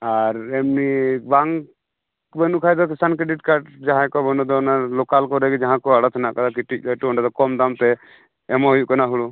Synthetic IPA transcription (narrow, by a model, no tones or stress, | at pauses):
aɾɛmnibaŋ | bɛnukʰajd̪ɔkisankɾɛɖiʈkaɾʈd͡ʒaɦãkɔbɔnɔd̪ɔɔnaɾlɔkalkɔɾɛɡɛd͡ʒaɦãkɔaɽɔt̪ʰnaʔkad̪ak̬iʈic̚d̪ɔʈɔɳɖɛd̪ɔkɔmd̪amt̪ɛ | ɛmɔɦujuʔkanaɦuɽu